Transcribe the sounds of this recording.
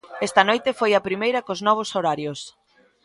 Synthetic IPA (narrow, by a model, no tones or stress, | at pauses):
ɛst̪ɐnojt̪efojɐpɾimejɾɐkoznɔβ̞osoɾaɾjos